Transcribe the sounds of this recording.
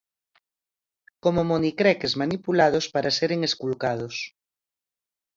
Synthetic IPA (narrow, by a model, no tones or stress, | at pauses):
komomonikɾɛkezmanipulað̞ospaɾaseɾeŋeskulkað̞os